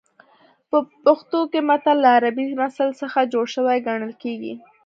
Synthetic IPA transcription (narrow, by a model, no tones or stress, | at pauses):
pəpaxt̪okemat̪alːaːɾabimasalsəxad͡ʒoɽʃəwajɡaɳ̃əlkeɡḭ